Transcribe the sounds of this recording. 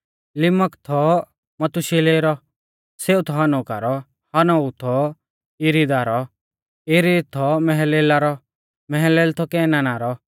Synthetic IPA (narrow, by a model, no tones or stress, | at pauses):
lɪməkt̪ʰɔ | mɐt̪uʃeleɾɔ | seːut̪ʰɔɦanɔka̰ɾɔ | hanɔut̪ʰɔ | iɾid̪aɾɔ | iɾid̪t̪ʰɔmɛɦɛleːlaɾɔ | mɛɦɛleːlt̪ʰɔkɛːnaːnaːɾɔ